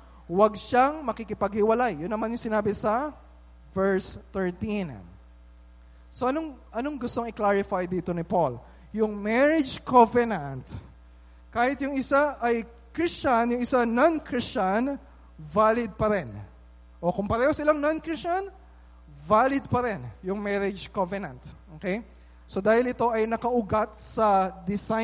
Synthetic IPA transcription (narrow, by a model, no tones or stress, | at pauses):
wɐɡ̚ʃaŋmɐkikɪpɐɡ̚hɪwɐlajːʊnːɐmanjʊŋsɪnaːbɪsɐ | vɛɹst̪ɛɹt̪in | so̞ʔɐnoŋʔɐno̞ŋɡʊst̪oŋɪklaɹɪfajd̪iːt̪onɪpol | jʊŋmɛɹɪd͡ʒkovɛnɐnt̪ | kaːhɪt̪jʊŋɪsaʔɐj | kɹist͡ʃanjʊŋɪsanankɹist͡ʃan | vaːlɪd̪̚pɐɾɛn | ʔo̞kʊmpɐɾɛːho̞sɐɪlaŋnɐnkɹɪst͡ʃɐn | vaːlɪd̪̚pɐɾɛnjʊŋmɛɾɪd͡ʒkovɛnɐ̃nt̪ʔoːkej | so̞d̪aːhɪlɪt̪o̞ʔɐjnɐkɐʔʊɡat̪̚sɐd̪ɪsa